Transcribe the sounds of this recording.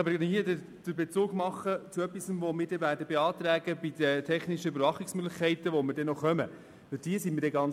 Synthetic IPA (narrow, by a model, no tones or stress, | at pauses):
ɑbəɾɡnhiədə | d̥əbet͡suːɡmɑχːət͡suœpːisənvɔmɪːɾdɛvæːɾdəbeɑːt̪ɾæːɡəbid̪ət̪ʰɛχniʃəybəɾvɑχɪksmøɡləχkʰɛɪt̪əʋɔmɪɾdɛnɔχœmə | ʋɪld̥iəsimɪɾdɛɡɑn